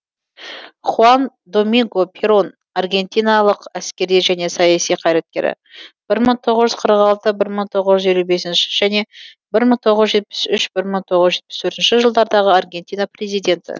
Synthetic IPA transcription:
χuan | d̪o̞miŋɡo̞pʰeɾo̞n | arɡʲe̞nt̪ijnɑlˠəqæskʲe̞ɾd̪eʒæne̞sɑjɑsijqʰɑjɾet̪̚kʲe̞̰ɾɪ̰ | b̥ɪɾməɴt̪ʰo̞ʁəʒʏz̥qʰəɾəqɑlˠt̪əbɪɾməɴt̪ʰo̞ʁəzʒʏze̞lube̞sɪnʃɪ̥ʒ̥æne̞ | bɪɾməɴt̪ʰo̞ʁəzʒe̞t̪̚pɪ̥sʏʃbɪɾməɴt̪ʰo̞ʁəzʒe̞t̪̚pɪ̥st̪ʰɵɾt̪ɪnʃɪʒəlˠd̪ɑɾd̪ɑʁəarɡʲe̞nt̪ijnapre̞zijd̪e̞nt̪ɪ̰

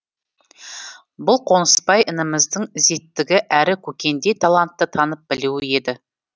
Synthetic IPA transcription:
bʊlˠqʰo̞nəspɑjʔənəməzd̪əɴɪze̞t̪ːɪɡʲɪʔæɾɪkʲʰɵkʲe̞nd̪e̞t̪ʰɑlˠɑnt̪ːət̪ʰɑnəp̚bɪluwɪe̞d̪ɪ

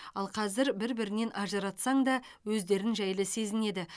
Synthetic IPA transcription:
ɑlˠqʰɑzɪɾbɪɾbɪɾɪne̞nʔɑʒəɾɑt̪sɑɴd̪ɑwɵzd̪e̞ɾɪnʒæjlˠɪse̞zɪne̞d̪ɪ

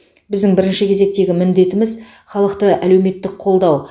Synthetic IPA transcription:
bɪzd̪ɪŋbɪɾɪnʃɪkʲʰe̞ze̞k̚t̪e̞ɡʲɪmɪnd̪e̞t̪ɪmɪz | χɑlˠəqt̪əælewme̞t̪ːɪqʰo̞lˠd̪ɑw

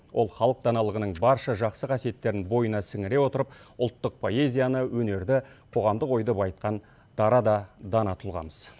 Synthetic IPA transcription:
wʔo̞̰lˠχɑlˠəq̚d̪ɑnɑlˠəʁənəɴbɑɾʃɑʒɑqsəqʰɑsie̞t̪ːe̞ɾɪnbo̞jənɑsɪŋɪɾe̞wo̞t̪əɾəp̚ʊlˠt̪ːəq̚pʰo̞e̞zʲijanəwɵne̞ɾd̪ɪqʰo̞ʁɑmd̪əqo̞jd̪əpɑjt̪̚qɑn | d̪̥ɑɾɑd̪ɑd̪ɑnɑt̪ʰʊlˠʁɑ̰məz̥

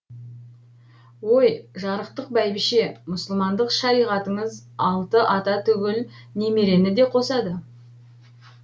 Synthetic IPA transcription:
wo̞jʒɑɾəq̚t̪əq̚bæjbɪʃe̞mʊsəlˠmɑnd̪əqʃɑɾijʁɑt̪əɴəzɑlˠt̪əʔɑt̪ɑt̪ʰʏɡʲɪlne̞me̞ɾe̞nɪd̪e̞qʰo̞sɑd̪ə

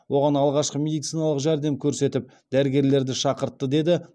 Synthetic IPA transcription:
wʔo̞ʁɑnɑlˠʁɑʃqəmʲe̞d̪ijt̪sijnɑlˠəqʒæɾd̪e̞mkʲʰɵɾse̞t̪ɪp̚ | d̪æɾɪɡʲe̞ɾle̞ɾd̪ɪʃɑqəɾt̪ːəd̪e̞d̪ɪ

